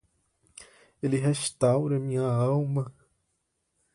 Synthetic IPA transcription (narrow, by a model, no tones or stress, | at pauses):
elɪɦeʃt̪awɾɐmĩɲɐawmɐ